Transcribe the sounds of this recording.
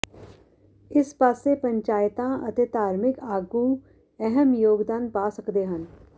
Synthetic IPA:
ɪspaːsepə̃ɲt͡ʃaːjt̪ãət̪et̪aːɾmɪkaːɡũ | ɛɦəmjoːɡd̪aːnpaːsəkd̪eɦən

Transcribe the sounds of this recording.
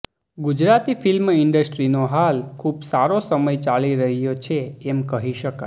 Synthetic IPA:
ɡud͡ʒɾat̪ifilmɪɳɖəsʈɾinoɦalkʰubsaɾosəməjt͡ʃaliɾəɦjot͡ʃʰeɛmkəɦiʃəka̰

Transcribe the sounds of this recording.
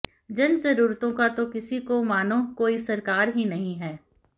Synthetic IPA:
d͡ʒɐnzɐɾuːɾt̪õkat̪okɪsikomaːnõkoːisɐɾkaːɾɦinɐɦĩɦɛː

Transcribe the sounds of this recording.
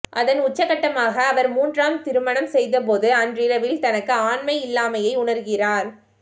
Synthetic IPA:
ʔɐðɐnʊt͡ʃːɐkːɐʈːɐmaːɣɐːʋɐɾmuːndraːmt̪ɪɾɯmɐɳɐmsɛjðɐp̬oːðɯɐndrɪɾɐʋɪlt̪ɐnɐkːɯaːɳmɐɪɪlːaːmɐjɐɪʊɳɐɾɣɪraːɾ

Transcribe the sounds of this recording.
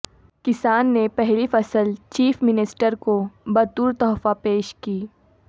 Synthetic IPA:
kɪsaːnːepɛɦlifɐsəlt͡ʃiːfmɪnɪsʈəɾkobɐt̪uːɾt̪ɔːfapeːʃkiː

